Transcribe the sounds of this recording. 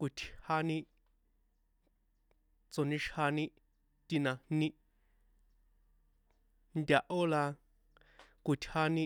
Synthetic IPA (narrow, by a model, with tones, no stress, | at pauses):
kʷu˨tʲʰha˦nĩ˦ | t͡so˨nĩ˧ʃha˧nĩ˦ | t̪i˧nã˧hnĩ˦ | ndʲa˧ʔo˦la˧ | ku˨t̪ʲʰha˦nĩ˦˧